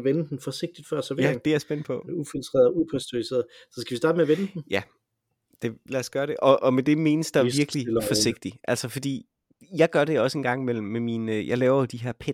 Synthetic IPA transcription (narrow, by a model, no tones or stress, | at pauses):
ʋenəd̥n̩fɒ̽se̝ɡ̥̚d̥id̥fɶɐ̰sɒʋeæd̥eæɐsb̥en̰npʰɒ̽ufilt͡sʰʁɛ̰ːð̩ˠupʰæsd̥ʰuise̝̰ːɐð̩ˠsɒ̽sɡ̥æʋistɑ̈ːd̥əmeɐʋenəd̥n̩jæ | d̥e̝læsɡ̥ɶɐɾe̝ʔɒ̽ʔɒ̽med̥e̝me̝ːnəsd̥ɑʋiɐɡ̥lilfɒse̝ɡ̥̚d̥iʔæl̰sɐfɒ̽d̥ḭː | jɑ̈ɪɡ̥ɶɐɾe̝ɒ̽səe̝nɡ̥ɑ̈ŋ̰mel̰m̩ːeminjɑ̈ɪlɛːʊɐd̥iɦeɐpʰe